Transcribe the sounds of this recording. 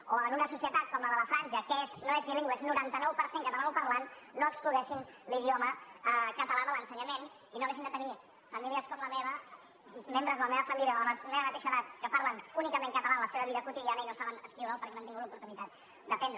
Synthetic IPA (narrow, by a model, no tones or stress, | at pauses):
oənunəsusiət̪at̪̚kɔmləðələfɾanʒəkesnoezmiliŋɡwəsnuɾant̪ənɔwpəɾseŋkət̪ənɔwpəɾlanːoəkskluðɛʃinliðioməkət̪əlaðələnsəɲəmen | inoɛʃ̬ind̪ət̪əni | fəmiliəskɔmləmeβə | membɾəzðələmeβəfəmiliəðəlmeβəmət̪eʃəðat̪kəpaɾlənunikəmẽŋkət̪əlaðələseβəβiðəkut̪iðianəinosaβənəskɾiwɾapəɾkɛnomt̪iŋɡutlupuɾt̪unit̪at̪̚ | d̪əpɛnd̪ɾə